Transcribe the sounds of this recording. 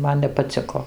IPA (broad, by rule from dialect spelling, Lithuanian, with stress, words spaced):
ˈmɐn nʲɛpɐˈt͡sʲɪkoː